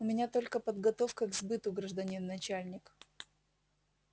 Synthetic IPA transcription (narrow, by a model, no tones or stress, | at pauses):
ʊmʲɪnʲat̪o̞lʲkəpəd̪ɡɐt̪o̞fkəɡzbɨt̪ʊɡɾəʐd̪ɐnʲinːɐt͡ɕalʲnʲɪk